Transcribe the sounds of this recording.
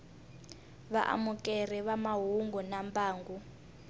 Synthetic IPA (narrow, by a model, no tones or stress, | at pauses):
βa̰ʔa̰mukʼɛr̤ɛβamaɦuŋɡunambaːŋɡu